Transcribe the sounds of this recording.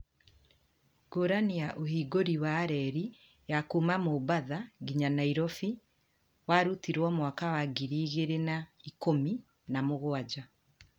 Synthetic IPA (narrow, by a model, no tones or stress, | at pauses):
ɡ̥oɾaniaʔohiːɡoɾiwaɾɛɾi | jakumamobaðaɡiɲanaiɾɔfi | waɾutiɾwɔmwakawaɡiɾiːɣeɾenaikomi | namoɣoad͡ʑa